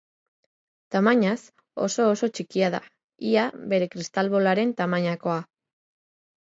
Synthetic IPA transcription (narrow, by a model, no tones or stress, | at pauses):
t̪amaɲas | o̞̰so̞ːso̞t͡ʃikiað̞a̰ | iaβe̞ɾe̞kɾist̪alβo̞laɾe̞nt̪amaɲako̞a